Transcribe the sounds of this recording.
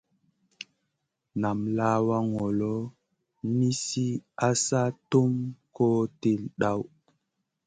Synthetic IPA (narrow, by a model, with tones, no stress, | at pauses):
na˨mlaː˦wa˦ŋɔ˨lɔ˦ | ni˦si˦a˦sa˦to˦mko˦te˦lɗa˦w